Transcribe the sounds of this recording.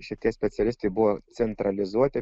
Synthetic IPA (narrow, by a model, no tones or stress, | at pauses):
ʃʲɪt̪ʲiɛsʲpʲɛt̪sʲɛlʲɪst̪ɛjbʊʋot̪sʲɛnt̪ɾɐlʲɪzuɔt̪ʲɪ